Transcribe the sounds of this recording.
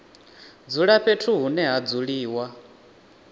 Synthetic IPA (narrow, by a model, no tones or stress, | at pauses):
d͡zuɺaɸetʰuɦunɛɦad͡zuɺiːwa